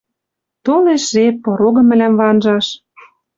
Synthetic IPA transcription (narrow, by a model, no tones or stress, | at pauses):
t̪oleʃʒepoɾoɣɤ̆mɘ̆læmvɑnʒɑʃ